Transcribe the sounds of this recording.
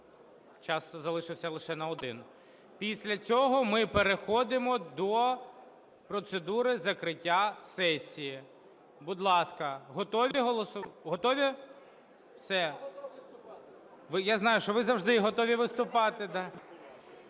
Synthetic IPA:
t͡ʃɑst̪ɔzɐlˠɪʃɪwsʲɐlˠɪʃɛnɐɔd̪ɪn | pʲisʲlʲɐt͡sʲɔɦɔmɪpeɾexɔd̪ɪmɔd̪ɔ | pɾɔt̪sed̪uɾɪzɐkɾɪtʲːasɛsʲːiji | bʊd̪lˠɑskɐɦɔt̪ɔʋʲiɦɔlˠɔsʊɦɔt̪ɔʋʲi | wsɛ | ʋɪjaznɑjʊʃt͡ʃɔʋɪzɐwʒd̪ɪɦɔt̪ɔʋʲiʋɪst̪ʊpɑt̪ɪd̪ɑ

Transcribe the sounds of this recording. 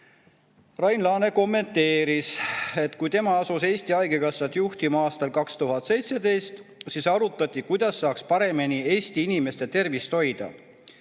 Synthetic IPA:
rɑjnlɑːne̞ko̞mːe̞nt̪ːe̞ːɾise̞t̪ːˑkujt̪e̞mɑɑsuse̞ːsʲt̪iɑjɡekɑsːɑt̪juht̪imɑɑːst̪ɑlkɑkst̪uɦɑt̪se̞jt̪se̞d̪e̞jst̪sisɑɾut̪ːˑɑt̪ʲːˑikujd̪̥ɑsːɑːkspɑɾe̞minie̞ːsʲt̪iinime̞st̪e̞t̪e̞rvist̪ho̞jd̪̥ɑ̰

